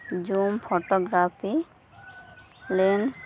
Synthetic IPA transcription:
d͡ʒumpʰoʈɔɡɹapʰi | lens

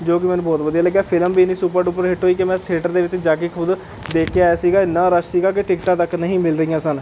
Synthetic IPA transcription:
d͡ʒoːk̬ɪmɛ̃ːnũːbɔːt̪ʋəd̪ijaːləɡjaːpʰɪləmbiːnĩːsuːpəɾɖuːp̬əɾɦɪʈɦoːiːkemɛ̃ːt̪ʰeːʈəɾd̪eːʋɪt͡ʃd͡ʒaːkeːkʰʊd̪ | d̪eːkʰjaːɛːsiːɡaːɪnːãːɾəssiːɡaːk̬ɪʈɪkʈãːt̪əknəɦĩːmɪlɾəɦijãːsən

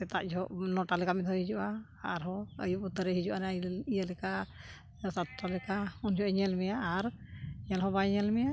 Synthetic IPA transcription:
tɛt̪aʔd͡ʒɔʔnɔʈalɛkamid̪ʰʱɔhid͡ʒuʔa | aɾɦɔə̰juʔut̪ːəɾɛɦid͡ʒuʔanaijəlɛka | sat̪ːɔlɛkaund͡ʒʱɔʔɛɲɛlmɛjaːɾ | ɲɛlɦɔbaɲɛlmɛja

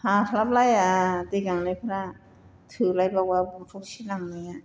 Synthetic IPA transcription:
haːt̪ʰalap̚lajʔat̪iːkanlɤːpʰana | t̪ʰɯːlajbɔk̚waːbut̪ʰokt͡ɕʰiːnamnia

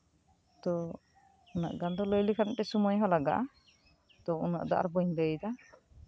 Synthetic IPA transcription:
t̪ɔ | una̰ʔɡand̪ɔlɔjlikʰanʈɛsumɔjɦɔlaɡa̰ʔ | t̪ɔṵna̰ʔd̪a̰ʔa̰ɾbɔjɲd̪ejd̪a

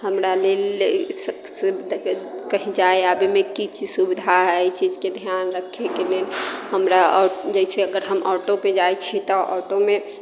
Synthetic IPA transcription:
həmɾalelsəsekəɦid͡ʒaeabimekit͡ʃisubid̪ʱaɦɛit͡ʃid͡ʒked̪ʱjanɾəkʰekelenhəmɾaɔd͡ʒɛɪseəɡəɾɦəmʔɔʈoped͡ʒajt͡ʃʰit̪ɔʔɔ̰ːʈome

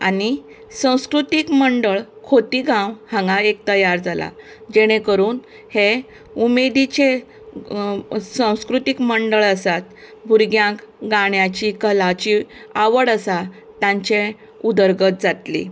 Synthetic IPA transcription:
a̰ni | sãw̃skɾut̪ikməɳɖəɭkʰot̪iɡãwhãŋɡaek̚t̪əjaɾd͡zala̰ | d͡ʑeɽ̃ẽkəɾuːn | he | umed̪it͡ɕe | sãw̃skɾut̪ikməɳɖəɭəsat̪bʱuɾɡjãkɡaɽjat͡ɕikəlat͡ɕiaʋəɽəsa | t̪jãɲt͡ɕe | ud̪əɾɡət̪̚d͡zat̪lḭ

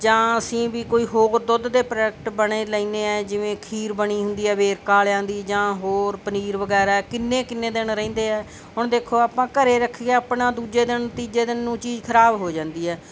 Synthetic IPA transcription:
d͡ʒãːəsĩːbiːkoːiːɦoːɾd̪ʊd̪d̪eːpɾək̚ʈbəɳeːləĩːneːɛːd͡ʒɪʋẽːkʰiːɾbəɽ̃iːɦʊ̃nd̪iːɛːʋeːɾkaːlãːnd̪iːd͡ʒãːɦoːɾpəniːɾʋəɡɛːɾaːkɪnːeːkɪnːẽːd̪ɪnɾɛ̃ĩːnd̪eːɛː | ɦʊɳd̪eːkʰoːaːpãːkəɾeːɾəkʰːɡeːaːpɳãːd̪uːd͡ʒeːd̪ɪnət̪iːd͡ʒeːd̪ɪnːũːt͡ʃiːzkʰəɾaːbɦoːd͡ʒãːnd̪iːɦɛː

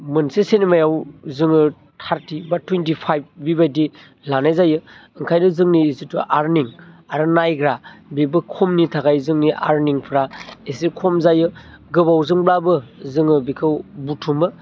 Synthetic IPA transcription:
mɯnsesenimajawzɯŋɯ | tʰaɾtʰibatwentipʰajb̚bibajdi | lanajzajɯɯŋkʰajnɯzɯŋniːsitṵʔaɾniŋaɾɯnajɡɾabibɯkʰɔmnitʰaɡajzɯŋniʔa̰ɾniŋpʰɾaesikʰɔmzajɯ | ɡɯbawzɯŋblabɯzɯŋɯbikʰɯbutʰumɯ

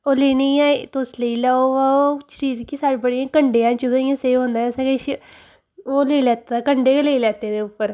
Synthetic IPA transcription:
oːleːniaːet̪osləiːlaːoaːot͡ʃɾiːɾkisaːɽbəɽiãːkəɳɖeːãːt͡ʃʊaːjãːseːɦõːnd̪ãːsəkeʃ | oːleilɛːt̪ːakəɳɖeːkleilɛːt̪eːd̪eːʊpːəɾ

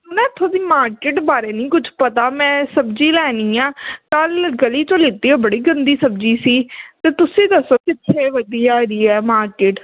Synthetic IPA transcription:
ʊnɛ̃ːt̪ʰoːd̪iːmaːɾkeːʈbaːɾeːnĩːkʊd͡ʒpət̪aːmɛ̃ːsəbd͡ʒiːlɛːniːaːkəlɡəliːt͡ʃõːliːt̪iːõːbəɽiːɡənd̪iːsəbd͡ʒiːsiːt̪eːt̪ʊsẽːd̪əsoːkɪt̪ʰːeːʋəd̪iːaːɾiːɛːmaːɾkeːʈ

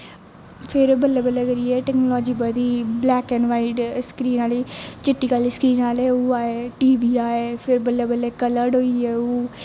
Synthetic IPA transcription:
pʰɪɾbəlːɛːbəlɛːkəɾiːɛːʈɛːknolɔːd͡ʒiːbəd̪iːblɛːkɛnʋaːiɖskɾiːnaːliːt͡ʃɪʈːiːkaːliːskɾiːnaːlɛːuːaːeːʈiːbiːaːeːpʰɪɾbəlːɛːbəlːɛːkələɖɦoːiːɛːoː

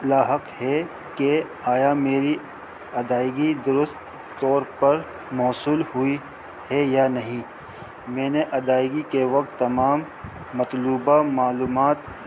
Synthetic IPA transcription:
laːɦəqhɛ | ke | aːjameːɾi | ɐd̪aːɪɡid̪ʊɾʊst̪ː | ɔːɾpɐɾ | mɔːsuːlhʊi | hɛjanɐɦĩ | mẽːneʔɐd̪aːɪɡikeʋɐk̚t̪ːɐmaːmː | ɐt̪luːbamaːluːmaːt̪

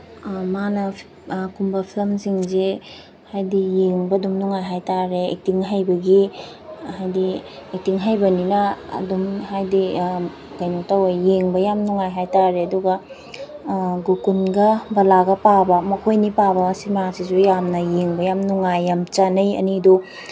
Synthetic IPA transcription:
manɐ | kumbɐpʰilɐmsiŋze | hajdijeŋbɐːdumnuŋajɦajtaɾeḛk̚tiŋɦajbɐɡi | hajdiek̚tiŋɦajbɐninɐɐ̰dumhajdi | kajnotawajjeŋbɐjamnuŋajɦajtaɾeɐduɡɐ | ɡukunɡɐbɐlaɡɐpabɐmɐkʰojnipabɐːsimasizujamnɐjeŋbɐjamnuŋajːamt͡ʃanɐjɐ̰nidu

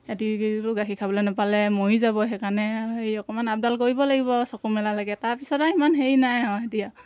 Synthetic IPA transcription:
atiɹuɡakʰikʰabɔlɛnapalɛmoizabɔɦɛkanɛɦejɔkɔmanap̚dalkoɹibɔlaɡibɔsɔkumɛlalaɡɛtaɹpisɔtaimanɦejnajɔ̃etija

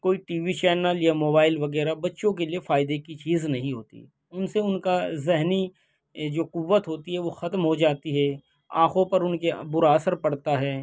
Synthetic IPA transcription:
koːiʈiːʋit͡ʃɛːnəljamoːbaːɪlʋɐɣɛːɾabɐtːʃõkeliefaːɪd̪ekit͡ʃiːznɐɦĩɦoːt̪ḭ | ʊnseʊnkazɪɦni | d͡ʒoːqʊʋːət̪ɦoːt̪iɦɛʋoxɐt̪mɦod͡ʒaːt̪iɦɛː | ã̰ːxõpɐɾʊnkḛbʊɾaːsəɾpɐɽt̪aɦɛː

